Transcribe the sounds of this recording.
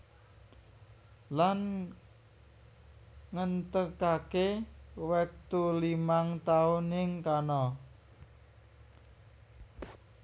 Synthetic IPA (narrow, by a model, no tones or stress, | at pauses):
lan | ŋənt̪əkakewɛk̚t̪ulimaŋt̪aunɪŋkanɔ